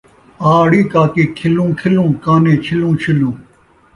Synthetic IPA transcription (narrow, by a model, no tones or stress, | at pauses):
aːɽiːkaːkiːkʰɪlũːkʰɪlũːkaːnẽːt͡ɕʰɪlũːt͡ʃʰɪlũː